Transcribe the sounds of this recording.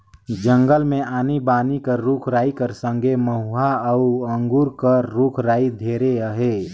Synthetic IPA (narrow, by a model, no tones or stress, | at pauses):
d͡ʒə̃ŋɡəlmẽaːnibaːnikəɾːuːkʰɾaːikəɾsə̃ŋɡʱeməɦʊaəuə̃ŋɡuːɾkəːuːkʰɾaːid̪ʱeːɾeəɦeː